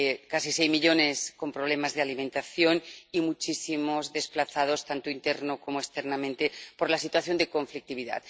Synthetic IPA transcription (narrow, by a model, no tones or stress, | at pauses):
kasisejzmiʎo̞ne̞sko̞mpɾoβ̞le̞mazðealimẽnt̪aθjo̞nimut͡ʃisimozðe̞splaθað̞o̞st̪ant̪oint̪eɾnoko̞moest̪eɾnamẽnt̪epo̞ɾlasit̪waθjo̞nd̪eko̞ɱflik̚t̪iβ̞iða̰t̪